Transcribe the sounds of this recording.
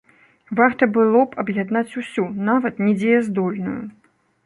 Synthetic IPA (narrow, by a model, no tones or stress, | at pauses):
vart̪ɐbɨlˠɔpʰɐbjad̪nat͡sʲusʲunavɐt̪nʲɛd͡zʲejɛzd̪ɔlʲnṵju